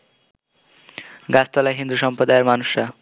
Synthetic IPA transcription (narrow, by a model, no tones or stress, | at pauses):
ɡast̪ʌlajɦind̪usʌmpʌd̪ajeɾmanusa